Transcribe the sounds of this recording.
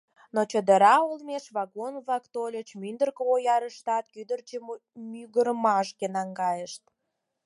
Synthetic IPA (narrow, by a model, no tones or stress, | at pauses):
not͡ɕəd̪əɾɑolmeʃβɑɣonβlɑkt̪olʲət͡ɕmynd̪ərkəojɑɾəʃt̪ɑt̪kyd̪ərt͡ɕəmmyɣəɾəmɑʃkenɑŋɡɑjəʃt̪